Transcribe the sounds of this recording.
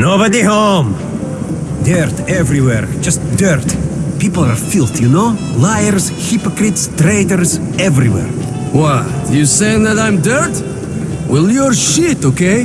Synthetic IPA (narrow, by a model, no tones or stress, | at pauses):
nobadihõm | dɜɹtɛvɹiwɛɹd͡ʒʌsd̥ɜɹtpipl̩ˠa˞filˠtʰjɨnolaɪəɹz̥ | hɪpɔkɹɪtstɹeɪdəɹz | ɛvɹḭwɛ̰ɹ | wʌtd̥ɨjɨseɪ̃ŋðəɾãɪ̃mdɜ˞t | wɪlˠjəɹʃitokʰeɪ